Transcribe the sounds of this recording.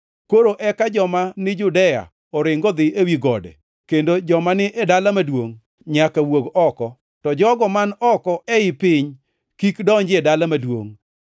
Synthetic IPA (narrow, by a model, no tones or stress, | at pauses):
koɾoʔɛkad͡ʒɔmanɪd͡ʒʊdɛja̰ | ɔɾɪŋɡɔd̪ɪʔewiɡɔdɛ̰ | kendod͡ʒɔmanɪʔedalamadwoŋ | ɲakawoɡɔkɔ | tɔd͡ʒɔɡɔmanɔkɔɛɪpɪɲ | kikdɔɲd͡ʒɪedalamadwo̰ŋ